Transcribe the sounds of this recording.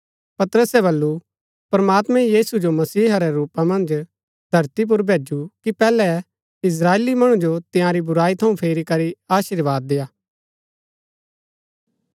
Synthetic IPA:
pɐt̪əɾəsɛβɐlːu | pɾəmaːt̪mɛ̃jiːsud͡ʒomɐsiːɦɐɾɛɾuːpãmɐ̃nd͡ʒ | d̪ʱɐɾt̪ip̬ʊɾbʱeːd͡ʒukipɛːlɛ | ɪs̬ɾaːeːlimɐɽ̃ud͡ʒot̪ɪjãɾibʊɾaːit̪ʰɐũpʰeːɾikɐɾiaːʃɪɾʋaːd̪ːɪjaː

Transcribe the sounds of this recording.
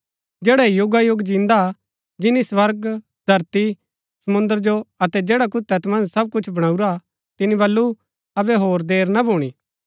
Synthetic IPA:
d͡ʒɛːɽaijʊɡajʊɡd͡ʒĩːnd̪a | d͡ʒɪniswɐɾɡ | d̪ʱɐɾt̪i | sɐmʊ̃nd̪əɾd͡ʒoɐt̪ɛd͡ʒɛːɽak̬ʊt̪ɐt̪mɐ̃nd͡ʒsɐb̚kʊt͡ʃʰbɐɽ̃aːuɾa | t̪ɪnibɐlːu | ɐbɛɦoːɾd̪eːɾnɐbʱoːɽ̃iː

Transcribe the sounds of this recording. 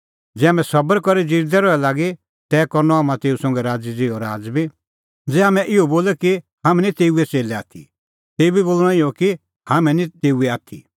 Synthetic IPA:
d͡zɛːaːmɛ̃sɐbəɾkɔɾid͡ziɾd̪ɛɾɔɛlaːɡi | t̪ɛːkɔɾnɔaːmãt̪eːusɔ̃ŋɡɛɾaːd͡zid͡zɪːɔɾaːd͡zbi | d͡zɛːaːmɛ̃ʔɪɔboːlɛki | ɦaːmɛ̃nit̪eːuɛt͡seːlɛaːt̪ʰi | t̪eːubiboːlɽ̃ɔ̃ɪɔki | hamɛ̃nĩt̪eːuɛaːt̪ʰḭ

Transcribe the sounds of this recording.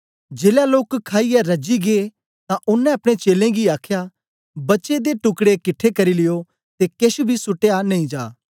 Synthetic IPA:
d͡ʒeːljaloːkkʰːaːiɛɾɐd͡ʒiɡe | t̪ãʔʊnːɛ̃ɐpɽ̃et͡ʃeːlẽɡiaːkʰja | bɐtːʃed̪eʈʊkɽekɪʈʰːekɐɾilɪjo | t̪ekeʃʊbʱisʊʈejanɐĩd͡ʒaː

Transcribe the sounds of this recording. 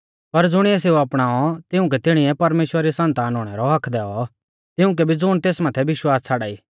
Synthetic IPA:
pɐɾd͡zʊɽ̃iɛs̬eːuɐpɽ̃aːɔt̪ɪʊ̃k̬ɛt̪ɪɽ̃ɪɛpɐɾmeːʃwəɾɾisɐnt̪aːnɦoːɽ̃ɛɾɔɦɐkʰd̪ɛːɔ | t̪ɪʊ̃k̬ɛbʱid͡zʊːɽ̃t̪eːsmaːt̪ʰɛbɪʃwaːst͡sʰaːɽaːiː

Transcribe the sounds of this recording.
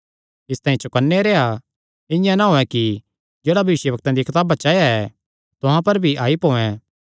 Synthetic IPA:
ɪst̪ãːĩt͡ʃokənːeɾeːa | ɪ̃jãnaɦoːɛ̃ki | d͡ʒeːɽabʱɐʋɪʃjəbɐk̚t̪ãd̪ikʰɪt̪aːbat͡ʃaːjaɛ | t̪ʊɦãpɐɾbʱiʔaːipoːɛ̃

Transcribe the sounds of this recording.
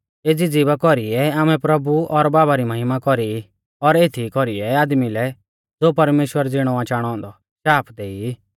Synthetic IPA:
eːd͡zid͡zibakɔɾiɛaːmɛ̃pɾɐbuɔɾbaːbaɾimɐɦɪmakɔɾi | ɔɾeːt̪ʰikɔɾiɛaːd̪milɛ | d͡zopɐɾmeːʃwəɾd͡zɪɽ̃ɔãt͡ʃaːɽ̃ɔ̃ːnd̪ɔ | ʃaːpʰd̪eːi

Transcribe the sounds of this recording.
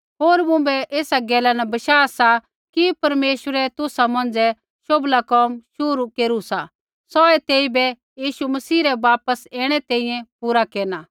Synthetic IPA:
ɦoːɾmʊ̃bɛʔeːsaɡɛːlanɛbɐʃaːsa | kipɐɾmeːʃwəɾɛt̪ʊsamɐ̃nd͡zɛ | ʃoblakɔːmʃʊɾukeːɾusa | sɔːɛt̪eːibɛ | jiːʃumɐsiːɾɛʋaːpəsɛːɽ̃ɛt̪ẽːĩjɛ̃puːɾakeːɾnaː

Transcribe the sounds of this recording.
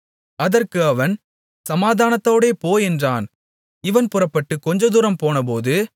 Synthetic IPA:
ɐðɐrkɯɐʋɐn | sɐmaːðaːnɐt̪ːoːɽeːpoːjɛndraːn | ɪʋɐnpʊrɐpːɐʈːɯkːɔɲd͡ʒɐd̪ʊɾɐmpoːnɐp̬oːðɯ

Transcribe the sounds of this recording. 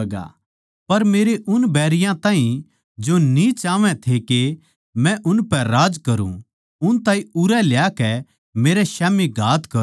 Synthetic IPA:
ɡa̰ | pɐɾmeːɾeʔʊnbɛːɾɪjãt̪ãːɦĩ | d͡ʒonit͡ʃaːʋɛ̃t̪ʰeke | mɛ̃ʔʊnpɛɾaːd͡ʒkɐɾṵ̃ | ʊnt̪ãːĩʊɾɛljakɛ | meːɾɛʃaːmiɡʱaːt̪kɐ

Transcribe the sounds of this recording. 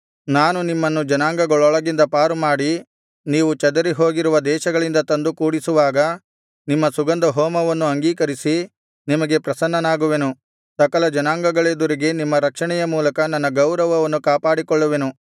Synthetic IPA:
naːnunimːɐnːud͡ʒɐnaːŋɡɐɡɐɭɔɭɐɡind̪ɐpaːɾumaːɽi | niːʋut͡ʃɐd̪ɐɾiɦo̞ːɡiɾuʋɐd̪ɛːʃɐɡɐɭind̪ɐt̪ɐnd̪ukuːɽisuʋaːɡɐ | nimːɐsuɡɐnd̪ɐɦɔːmɐʋɐnːuɐŋɡiːkɐɾisi | nimɐɡe̞pɾɐsɐnːɐnaːɡuʋe̞nu | sɐkɐlɐd͡ʒɐnaːŋɡɐɡɐɭeːd̪uɾiɡe̞nimːɐɾɐkʂɐɳɛjɐmuːlɐkɐnɐnːɐɡɐwɾɐʋɐʋɐnːukaːpaːɽikɔɭːuʋenu

